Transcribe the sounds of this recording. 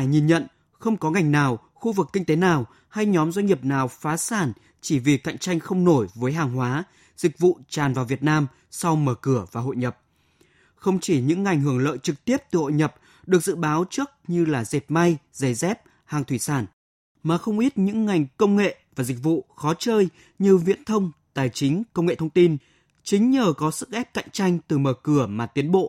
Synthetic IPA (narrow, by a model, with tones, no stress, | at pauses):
jɲi˨˩nɲə̰˧˨n | xə˧wŋ͡mkɔ˨˦ŋa˨˩jŋ̟naː˨˩w | xu˧vɨ˨˩k̚ːi˧ŋ̟t̪e˨˦naː˨˩w | ha˧jɲɔ˨˦mzwa˧jŋ̟ɲi˨˩əp̚naː˨˩wfaː˨˦saː˧˩n | t͡ɕi˧˩vi˨˩ka̰˧˨jŋ̟t͡ɕa˧jŋ̟xə˧wŋ͡mno˧˩jvəː˨˦jɦaː˨˩ŋɦwaː˨˦ | z̥ï˨˩k̟̚vṵ˧˨t͡ɕaː˨˩nvaː˨˩wvi˨˩ət̚naː˧m | sa˧wməː˧˩kɨ˧˩əvaː˨˩ɦo̰˧˨jɲə˨˩p̚ | xə˧wŋ͡mt͡ɕi˧˩ɲɨ̰˧˥ŋːa˨˩jŋ̟ɦɨ˧˩əŋlə̰ː˧˨jt͡ɕɨ˨˩k̚t̪i˦˥əp̚t̪ɨ˨˩ho̰˧˨jɲə˨˩p̚ | ɗɨ˨˩ək̚zɨ̰˧˨ɓaː˨˦wt͡ɕɨ˦˥ək̚ɲɨ˧laː˨˩ze˨˩t̚ma˧jzə˨˩zɛ˦˥p̚ | haː˨˩ŋt̪ʰwi˧˩saː˧˩n | maː˨˩xə˧wŋ͡mʔi˦˥t̚ɲɨ̰˧˥ŋːa˨˩jŋ̟kə˧wŋ͡mŋḛ˧˨vaː˨˩zï˨˩k̟̚vṵ˧˨xɔ˨˦t͡ɕəː˧j | ɲɨ˧vḭ˧˥ənt̪ʰə˧wŋ͡mt̪aː˨˩jt͡ɕï˨˦ŋ̟kə˧wŋ͡mŋḛ˧˨t̪ʰə˧ŋ͡mt̪i˧n | t͡ɕï˨˦ŋ̟ɲəː˨˩kɔ˨˦sɨ̰˦˧˥k̚ʔɛ˦˥p̚ka̰˧˨jŋ̟t͡ɕa˧jŋ̟t̪ɨ˨˩məː˨˩kɨ˧˩əmaː˨˩t̪i˨˦ənɓo̰˧˨